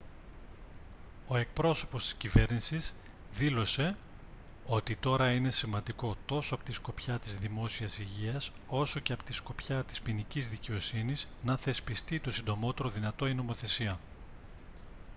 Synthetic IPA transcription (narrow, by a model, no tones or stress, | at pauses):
o̞e̞k̚pɾo̞so̞po̞st̪i̥scive̞ɾnisis | ðilo̞se̞ | o̞t̪it̪o̞ɾɐine̞simɐnd̪iko̞t̪o̞soɐpot̪isko̞pçɐt̪izðimo̞siɐsiʝiɐs | o̞so̞ce̞ɐpo̥t̪isko̞pçɐt̪i̥spinicizðice̞o̞siniznɐθe̞spist̪it̪o̞sind̪o̞mo̞t̪e̞ɾo̞ðinɐt̪o̞ino̞mo̞θe̞siɐ